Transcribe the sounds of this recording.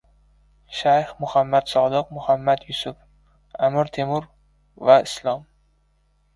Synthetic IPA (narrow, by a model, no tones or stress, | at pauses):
ʃajhmʊhamːat̪sɒd̪ɨq̚mʊhamːat̪jʊsʊf | amɪɾt̪ʰemʊɾ | vaɪslˠɒm